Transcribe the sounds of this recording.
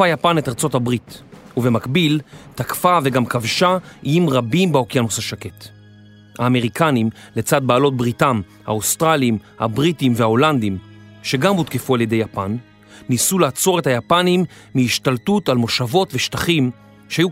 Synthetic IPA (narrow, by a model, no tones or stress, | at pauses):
ajapane̞taʁt͡so̞thabʁit | uve̞makbiltakfave̞ɡamkavʃaijimʁabimbeo̞kjanusaʃake̞t | ha̰ːme̞ʁikanim | le̞t͡sad̚baːlo̞t̚bʁitam | ha̰ustʁaliimha̰bʁitimvehao̞land̪im | ʃe̞ɡamhutkefualje̞de̞japanː | isulaat͡so̞ʁe̞thajapanimː | iiʃtaltutalmo̞ʃavo̞tveʃtaχim | ʃehaju